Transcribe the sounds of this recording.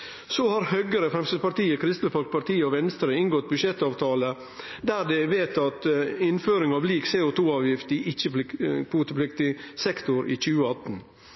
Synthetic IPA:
sohɑɾhœɡəɾəfɾɛmsəpɑʈ̪iːəkʰɾɪst̪l̩fɑlk̚pʰɑʈ̪iːəɔʋɛnst̪ɾəɪŋɡɔt̪̚bʉʃjɛt̪ːɑːʋt̪ʰɑːlə | d̪æːd̪ɛʋeːt̪ɑt̪ɪnføːɾɪŋɑːʋliːksɛːʊt̪ʰuːɑːʋjɪft̪ɪʔɪçəppʰuːt̪əpʰlɪkt̪ɪsɛkt̪ʊɾʔiːc͡çʉːəɑt̪n

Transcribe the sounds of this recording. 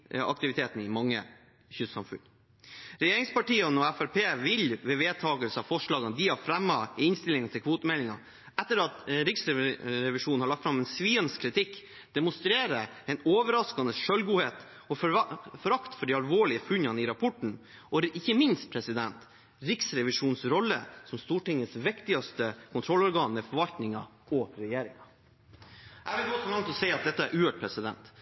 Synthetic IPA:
ɑ̰k̚t̪ɪʋɪt̪ʰeːt̪nɪmɑŋːə̰ | çʏsɑ̰mfʉ̰n | ɾɛjeːɾɪŋspɑʈiːɑnɔæfæɾpeːʋɪlʋɛʋeːd̪̚t̪ʰɑːɡəlsəɑfɔʂɭɑːɡənəd̪ihɑɾfɾɛmːɑɪɪnst̪ɪlɪŋnt̪ʰɪlkʰʋoːt̪əmɛlɪŋɑ̰ | ɛt̪ːəɾɑt̪ɾɪksɛɾɛʋɪʂuːnn̩hɑɭɑk̚t̪fɾɑmɛnsʋiːənskʰɾɪt̪ʰɪkː | d̪̥ɛmʊnst̪ɾeːɾə | ɛnoːʋəɾɑskɑnəʂœlɡuːheːt̪ | ɔfɔɾɑkt̪fɔɖiɑlʋoːɭɪəfʉɲːɑniɾɑpʰɔʈɳ̩ | ʔɔɪçːəmɪnst̪̚pʰɾɛsɪd̪ɛnt̪ | ɾɪksɾɛʋɪʂuːnsɾɔlːə̰sɔmst̪uːʈɪŋːəsʋɪkt̪ɪɑst̪əkʰʊnt̪ʰɾɔlːɔɾɡɑːnmɛfɔɾʋɑlt̪nɪŋɑ̰ | ɔɾɛjeːɾɪŋɑ | hæʋɪlɡɔːsɔlɑŋt̪ʰlɔsɛɪɑt̪̚d̪ɛt̪ːəæɾʔʉːəʈ̚pʰɾɛsɪd̪ɛ̰nt̪

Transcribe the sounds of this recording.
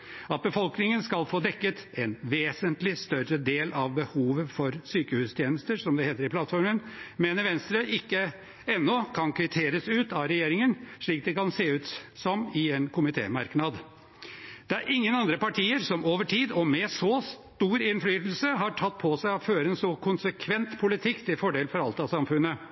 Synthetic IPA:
ɑt̪̚bəfɔlknɪŋənskɑlfoːd̪ɛkːət̪ɛnʋeːsənt̪lɪst̪œɾəd̪eːlɑʋbəhuːʋəfɔɾsyːkəhʉːst̪ʰjeːnəst̪əɾʂɔmd̪ɛheːt̪əɾɪplɑt̪fɔɾmənmeːnəɾʋɛnst̪ɾəʔɪkːə | ɛnːɔkʰɑnkʰɾɪt̪ʰeːɾəsʉːt̪ɑʋɾɛjeːɾɪŋənʂɭiːk̚d̪ɛkɑnseːʉːt̪sɔmɪɛnkʰʊmɪt̪ʰḛːmɑ̰ɾknɑd̪ | d̪̥ɛæɾʔɪŋːənɑnd̪ɾəpɑʈʰiːəɾsɔmoːʋəʈʰiːd̪ɔmɛsɔst̪uːɾɪnflyːt̪l̩səɦɑʈʰɑt̪̚ːpʰɔsæɪɔføːɾəɛnsɔkʰʊnsəkʰʋɛnt̪pʰʊlɪt̪ʰɪkːt̪ʰɪlfɔɖeːlfɔɾɑlt̪ɑsɑmfʉnːə

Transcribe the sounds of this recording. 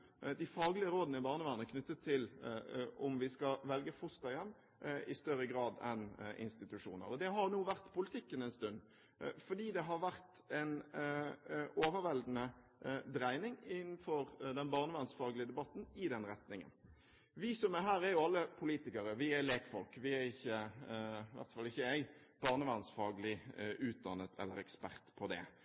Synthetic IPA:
d̪ɪfɑːɡlɪəɾoːd̪nəɪbɑːʁnəʋɑnəkʰnʉt̪ːət̪ʰːɪl | ɔmʋɪskɑʋɛlɡəfʊst̪ɑjɛmː | ɪst̪œɾːəɡɾɑːd̪ɛ̰nʔɪ̰nst̪ɪt̪ʉʂṵːnə̰ɾɔd̪ɛɦɑɾnuːʋæʁt̪pʰʊlɪt̪ʰɪkːənɛɪnst̪ʉn | fɔɖiːd̪ɛɦɑɾʋæʁt̪ | ɛn | oːʋəɾʋɛld̪n̩əd̪ɾæɪnɪŋɪnn̩fɔɾd̪ɛnbɑːʁnəʋɛnsfɑːɡlɪəd̪ɛbɑt̪ːn̩ɪd̪ɛnɾɛt̪nɪŋə̰n | ʋɪsɔmɛɦæːɾɛɾjʊɑlːəpʰʊliːt̪ɪkɑɾəʋɪæleːkfɔlkʋɪæɾɪçːə | ɪʋæ̰ɾt̪fɑlɪçːəæɪ | b̥ɑːʁnəʋɑnsfɑːɡəlɪʉːt̪̚d̪ɑnːət̪ʰɛ̰lːə̰ɾɛkspæɾt̪pʰɔd̪ɛ̰

